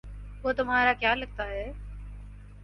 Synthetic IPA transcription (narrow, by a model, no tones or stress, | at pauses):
ʊot̪ʊm̤aːɾaːkjaːləɡ̚t̪aːɦɛː